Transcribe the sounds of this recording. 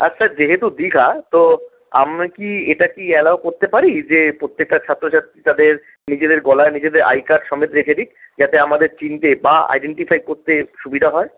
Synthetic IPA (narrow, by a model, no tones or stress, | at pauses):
atːʰad͡ʑeɦet̪ud̪ikʰat̪o | a̰makieʈakiɛlaokoɾt̪epaɾid͡ʑepɾot̪ːek̚ʈat͡ɕʰat̪ːɾoʃat̪it̪ad̪eɾ | nid͡ʑed̪eɾɡɔlaenid͡ʑed̪eɾʔa̰jkaɾɖʃɔmet̪ɾekʰeɾik̚d͡ʑat̪eamad̪eɾt͡ɕint̪ebaa̰jɖeɳʈifʰajkoɾt̪eʃubʱid̪ʱaɦɔe